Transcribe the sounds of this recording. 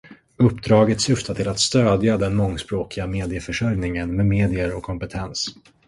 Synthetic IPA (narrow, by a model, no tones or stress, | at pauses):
ɵpːd̪ɾɑːɡət̪sʏft̪at̪ʰɪlat̪st̪øːd̪jad̪ɛnmɔŋːspɾoːkɪɡameːd̪ɪəfœʂœɾjnɪŋənmemeːd̪ɪəɾɔkʰːɔmpɛt̪ʰɛns